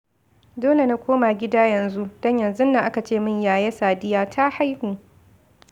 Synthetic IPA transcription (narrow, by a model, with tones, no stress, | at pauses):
doː˦le˨na˦kʷoː˦maː˨ɡʲɪ˦daː˦jɐ˨nzu˦d̥ɔ˦ɲjɐ˨nzu˦nːa˨ʔa˦ka˨t͡ʃeː˦˨mɪ˦ɲjaː˨jeː˦saː˨dɪ˦jaː˦tʰa˦ha˦jɸi˨